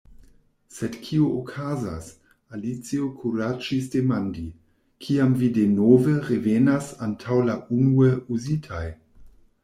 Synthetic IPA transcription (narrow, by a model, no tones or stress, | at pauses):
sedkʰiookʰaza̰s | alit͡siokʰuɾad͡ʒis̬demandi | kʰiamvidenoveɾevenasantʰawlaʔunueuzitʰaj